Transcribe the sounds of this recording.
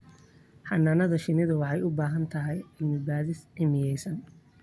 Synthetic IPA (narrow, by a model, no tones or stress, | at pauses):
ħɑnːaːnɐðɐʃɪnɪðʊwɑħɑjʊbaːɦɐnt̪ʰɐɦɛjɪmɪbaːðɪsʕɪmɪjɛjsɐn